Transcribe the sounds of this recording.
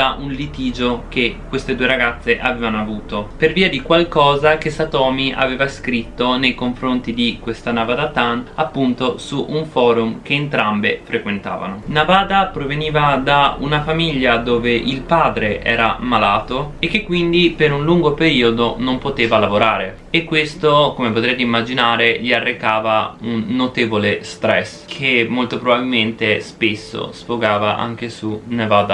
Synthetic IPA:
aʔunlit̪iːd͡ʒokekwest̪ed̪uːeɾaɡat̪sːeʔaveːvanoavuːt̪operviːad̪ikwalkɔːzak̟esat̪ɔːmiʔa̰veːvaskɾit̪ːonejkoɱfɾont̪id̪ikwest̪anavad̪at̪anapːunt̪osuʔuɱfɔːɾumk̟eːnt̪ɾambefɾekwent̪a̰ːva̰nonavaːd̪apɾoveniːvad̪aṵnafamiʎːad̪oːveʔilpaːd̪ɾeʔɛ̰ːɾamalaːt̪oek̟ːekːwind̪ipeɾunluŋɡopeɾiːod̪onompot̪eːvalavoɾaːɾe | ekːwest̪okomepot̪ɾɛjt̪eimːad͡ʒinaːɾeʎiarːekaːvaunːot̪eːvolest̪ɾɛs | kʰemːolt̪opɾobabilment̪espesːo̰sfoɡaːvaʔa̰ŋk̟esunavaːd̪a

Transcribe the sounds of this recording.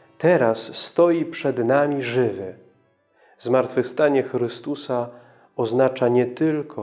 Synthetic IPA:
t̪ɛɾasːt̪ɔjipʂɛd̪namʲiʐɘvɘ | zmaɾt̪fɘfst̪aɲɛxɾɘst̪usa | ɔznat͡ʂaɲɛt̪ɘlkʰɔ

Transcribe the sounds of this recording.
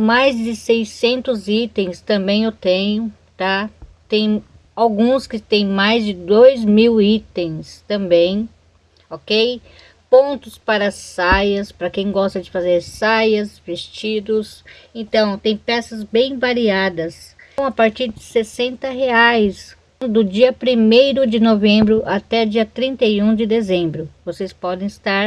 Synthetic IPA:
majzd͡ʒɪsejsẽnt̪ʊzit̪ẽj̃st̪ɐ̃mbẽj̃ewt̪ẽjʊ | t̪at̪ẽj̃ | awɡũskɪt̪ẽj̃majzd͡ʒɪd̪ojzmiwit̪ẽj̃st̪ɐ̃mbẽj̃ | okej | põnt̪ʊspaɾɐsajɐspɾɐkẽj̃ɡɔst̪ɐd͡ʒɪfazeɾsajɐsvest͡ʃid̪ʊsẽnt̪ɐ̃w̃t̪ẽj̃pɛsɐzbẽj̃vaɾiad̪ɐs | w̃apaɾt͡ʃiɾd͡ʒɪsesẽnt̪ɐɦeajs | d̪ʊd͡ʒiɐpɾimejɾʊd͡ʒɪnovẽmbɾʊʔat̪ɛd͡ʒiɐt̪ɾĩnt̪ɐjũd͡ʒɪd̪ezẽmbɾʊvosespɔd̪ẽj̃ɪst̪aɾ

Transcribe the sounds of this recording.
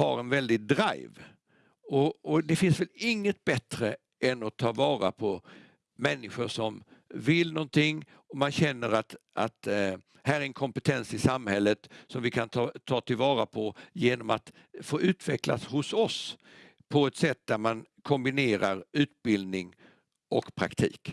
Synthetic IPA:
ha̰ɾɛnvɛld̪ɪd̪ɾa̰jv | ɔɔd̪ɛfɪnsvɛlɪŋːət̪̚bɛt̪ɾə | ʔɛnɔt̪ʰːɑːvɑːɾa̰pʰɔ | mɛnːɪɧʊʂɔmvɪlnɔnt̪ɪŋː | ɔmanɕɛnːəɾat̪a̰t̪ | hæːɾæɾɛnkʰɔmpət̪ʰɛnsɪsamhɛlːət̪sɔmvɪkʰant̪ʰːt̪ʰɑːt̪ʰɪlvɑːɾapʰɔjeːnɔmat̪ | foːʉ̟ːt̪vɛkla̰shʊsɔs | pʰɔɛt̪sɛt̪̚ːd̪æɾmankʰɔmbɪneːɾaɾʉ̟ːt̪̚bɪld̪nɪŋ | ʔɔkpʰɾa̰kt̪ʰḭːk

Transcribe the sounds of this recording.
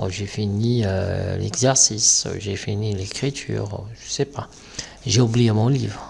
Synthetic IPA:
ʒefiniø̰lɛ̰ɡzɛʁsisʒefinilekχit̪ʰy̰ːʁʒ̥əsɛpa | ʒeublijemɔ̃livʁ

